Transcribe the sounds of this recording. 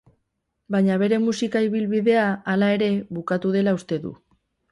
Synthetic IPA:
baɲaβ̞e̞ɾe̞musikaiβilβiðe̞aːlae̞ɾe̞βukat̪uð̞e̞laust̪e̞ðṵ

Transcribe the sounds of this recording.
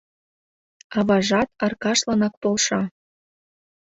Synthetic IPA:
ɑβɑʒɑt̪ɑrkɑʃlɑnɑk̚polʃɑ

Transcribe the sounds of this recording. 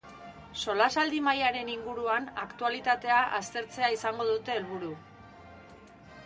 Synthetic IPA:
so̞lasald̪imajaɾe̞niŋɡuɾuanakt̪ualit̪at̪e̞aʔast̪e̞ɾt͡se̞aisaŋɡo̞ðut̪e̞ːlβuɾu

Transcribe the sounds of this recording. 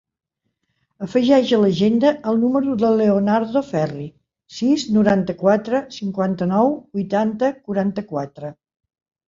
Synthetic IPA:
əfəʒɛʒələʒend̪əʔəlˠnuməɾuðəleonaɾðofɛri | siznuɾant̪əkwat̪ɾəsiŋkwant̪ənɔwbujt̪ant̪əkuɾant̪əkwat̪ɾə

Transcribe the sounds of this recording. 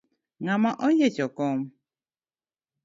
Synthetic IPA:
ŋamaʔɔjet͡ʃɔkɔm

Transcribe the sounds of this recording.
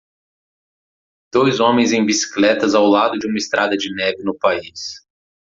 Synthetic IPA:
d̪̥ojzõmẽj̃zẽj̃bisi̥klɛt̪ɐzawlad̪ʊd͡ʒɪũmɐɪst̪ɾʔad̪ɐd͡ʒɪnɛvɪnʊpais

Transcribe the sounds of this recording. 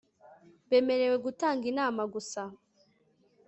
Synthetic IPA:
βe̞me̞ɾe̞we̞ɡutaːŋɡinaːmaɡusa

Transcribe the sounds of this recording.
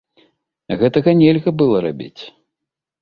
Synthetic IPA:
ɣɛt̪ɐɣɐnʲɛlʲɣɐbɨlˠɐɾa̰bʲḭt͡sʲ

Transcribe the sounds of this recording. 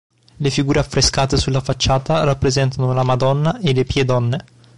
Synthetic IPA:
lefiɡuːɾeafɾeskaːt̪esulːafat͡ʃːaːt̪arapːɾezɛnt̪anolamad̪ɔnːaʔelepjed̪ɔnːe

